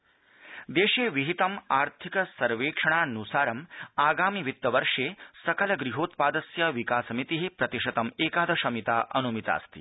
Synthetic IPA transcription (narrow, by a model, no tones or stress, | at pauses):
d̪eːʃeːʋiɦit̪ɐmaːɾt̪ʰikɐsɐɾʋeːkʂɐɳ̃aːnusaːɾɐmaːɡaːmiʋit̪ːɐʋɐɾʂeːsɐkɐlɐɡɾiɦoːt̪paːd̪ɐsjɐʋikaːsɐmit̪iɦipɾɐt̪iʂɐt̪ɐmeːkaːd̪ʱɐʃɐmit̪aːʔɐnumit̪a̰ːst̪ḭ